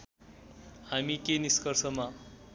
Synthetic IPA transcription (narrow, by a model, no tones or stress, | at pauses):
hamikeniskʌrsʌma